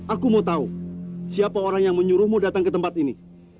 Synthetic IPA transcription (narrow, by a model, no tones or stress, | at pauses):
akumat̪ausiapaoɾaŋjaŋməɲuɾʊhmudat̪aŋkət̪əmpat̪ini